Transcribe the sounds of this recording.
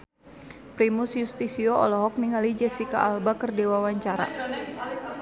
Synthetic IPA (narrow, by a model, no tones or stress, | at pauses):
pɾimusjust̪isiɔɔ̰lɔɦɔk̚niŋalid͡ʒɛsika̰ʔːlbakərdewawaɲt͡ʃaɾa̰